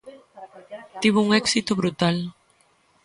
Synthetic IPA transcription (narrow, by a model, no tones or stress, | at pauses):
t̪iβ̞ʊuŋɛksit̪oβɾut̪al